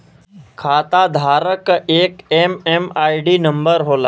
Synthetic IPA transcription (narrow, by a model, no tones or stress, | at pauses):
kʰaːt̪ad̪ʱaːɾəkeːkeːmemaːiɖiːnə̃mbəɾɦoːlaː